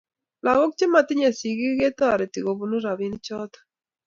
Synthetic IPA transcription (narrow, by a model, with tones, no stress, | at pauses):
la˨ɣɔ˦k̚t͡ʃe˦ma˨t̪ɪ˦ɲe˨si˨ɣi˦ɡe˦t̪a˦˨ɾɛ˨ti˨ɣo˨bu˦nu˦ɾa˨βi˦n˦t͡ʃɔ˦t̪ḁ˦